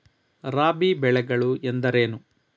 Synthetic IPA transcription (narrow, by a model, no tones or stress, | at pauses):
ɾaːbibɛɭɛɡɐɭuend̪ɐɾeːnu